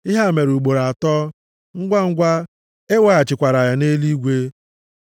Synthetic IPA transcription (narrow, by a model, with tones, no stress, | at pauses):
ɪ˦ɦa˦˨me˨ɾu˨ɡ͡bo˨ɾa˨tɔ˦ | ŋ̩˦ɡʷa˦ŋ̩˦ɡʷa˦ | e˦wa˦a˨t͡ʃɪ˨kʷa˨ɾa˨ja˨ne˦li˦ɡʷe˦